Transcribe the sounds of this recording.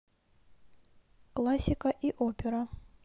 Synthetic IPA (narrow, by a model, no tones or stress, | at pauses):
klˠasʲɪkəʔiʔopʲɪɾə